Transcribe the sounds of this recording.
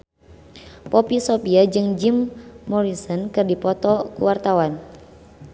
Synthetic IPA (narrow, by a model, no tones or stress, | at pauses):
pɔpisɔpiad͡ʒɨŋd͡ʒimːɔɾisɔnkɨrdipɔt̪ɔkṵwart̪awan